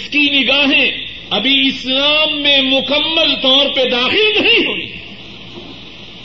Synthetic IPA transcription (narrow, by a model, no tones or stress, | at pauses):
skinɪɡaːɦẽ | ɐbiɪslaːmːẽmʊkəmːəlt̪ɔːɾped̪aːxɪlnɐɦĩɦʊḭ̃